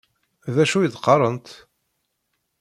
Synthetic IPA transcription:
ðæʃujəðqɑrˤənt̪

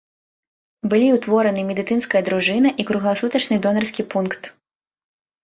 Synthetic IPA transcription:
bɨlʲiwt̪vɔɾɐnɨmʲɛd̪ɨt̪sɨnskɐjɐd̪ɾuʐɨnɐʔikɾuɣlˠasut̪ɐt͡ʂnɨd̪ɔnɐrsʲkʲipunkt̪

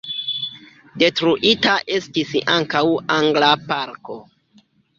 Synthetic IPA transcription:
de̞tɾuʔitaʔe̞stisaŋkawaŋɡlapaɾko̞

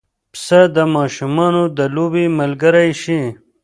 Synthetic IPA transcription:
psɐd̪əmɑːʃumɑːnod̪əloːbiməlɡɐɾajɕi

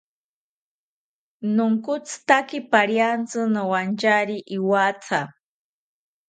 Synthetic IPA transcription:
nʊŋkʊt͡st̪akipaɾjant͡sɨnawant͡ʃaɾiʔiwat͡sʰa

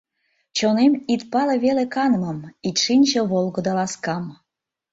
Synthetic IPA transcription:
t͡ɕonemit̪pɑleβelekɑnmə̆mit̪ʲʃinʲʑə̆βolˠɣɤd̪ɑlɑskɑm

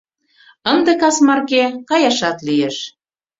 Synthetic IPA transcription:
ənd̪ĕkɑsmɑrkekɑjɑʃɑt̪lijeʃ

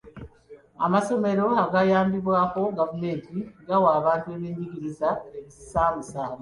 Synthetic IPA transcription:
a̰maso̞me̞ɾo̞aɡajaːmbiβwaːko̞ɡavume̞ːntiɡawaːβaːntue̞βeːɲɟiɡiɾizaeβisi̥saːmusaːβa

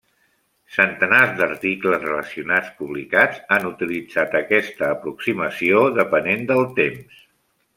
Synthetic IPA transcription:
sənt̪ənazd̪əɾt̪ikləzrələsiunat͡spuβlikad͡zanut̪ilid͡zat̪əkɛst̪əːpɾuksiməsioðəpənend̪əlˠt̪ems

